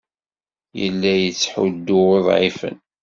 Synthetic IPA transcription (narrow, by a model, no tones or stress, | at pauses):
jə̰lːæjət͡sːħud̪ːʊweðˤʕifə̰n